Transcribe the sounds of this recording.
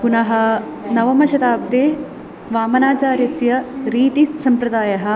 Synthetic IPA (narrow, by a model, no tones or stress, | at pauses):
kunɐɦɐ̆ | nɐʋɐmɐʃɐt̪aːb̚d̪eː | ʋaːmɐnaːt͡ʃaːɾjɐsjɐɾiːt̪isɐmpɾɐd̪aːjɐɦɐ̆